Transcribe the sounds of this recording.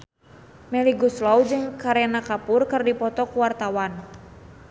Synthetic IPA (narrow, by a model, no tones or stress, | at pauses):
mɛliɡuslawd͡ʒɨŋkaɾɛnakapʊrkɨrdipɔt̪ɔkuwart̪awan